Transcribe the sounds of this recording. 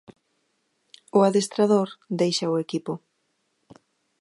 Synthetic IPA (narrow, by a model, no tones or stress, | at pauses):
ʊaðest̪ɾaðoɾd̪ejʃaʊekipʊ